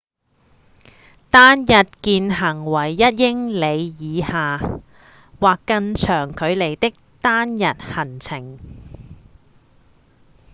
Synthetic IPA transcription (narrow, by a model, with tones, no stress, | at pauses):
t̪aː˥njɐ˨t̚kiː˧nɦɐ˨˩ŋwɐ˨˩jːɐ˥t̚jɪ˥ŋle˨˧jjiː˨˧haː˨ | waː˨kːɐ˧ŋt͡ʃʰœː˨˩ŋkʰɵ˨˧ɥle˨˩jt̪ɪ˥k̚t̪aː˥njɐ˨t̚hɐ˨˩nt͡sʰɪ˨˩ŋ